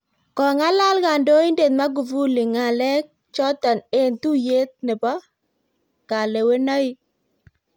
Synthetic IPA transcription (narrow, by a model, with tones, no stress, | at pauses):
kɔ˨ŋa˦la˦lɡa˨ndo˦i˦nde˨t̪ma˦ɡu˨vu˦lɪ˨ŋa˨lɛ˦k̚ | t͡ʃɔ˦t̪a˨ne˦˨nt̪u˦je˦t̪̚nɛ˨bɔ˦ | ka˨le˨we˦na˦ɪ˦